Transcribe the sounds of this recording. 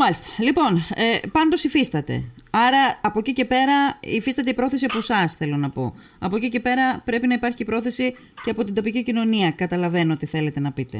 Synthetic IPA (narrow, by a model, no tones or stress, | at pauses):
mɐlist̪ɐ̥lipo̞nepɐnd̪o̞sifist̪ɐt̪e̞̰ɐɾɐːpo̞cice̞pe̞ɾɐifist̪ɐt̪eipɾo̞θe̞siɐposɐsθe̞lo̞nɐpo̞̰ | ɐpo̞cice̞pe̞ɾɐpɾe̞pinɐipɐɾçiːpɾo̞θe̞si | ce̞ɐpo̞t̪ind̪o̞picicino̞niɐkɐt̪ɐlɐve̞noot̪iθe̞le̞t̪e̞nɐpit̪e̞̰